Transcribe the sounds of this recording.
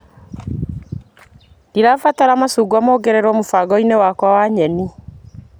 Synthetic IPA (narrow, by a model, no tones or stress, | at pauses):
ndiɾafataɾamasuːɡwamɔːɡɛɾɛɾwɔmofaɡɔinewakwawaːɲɛni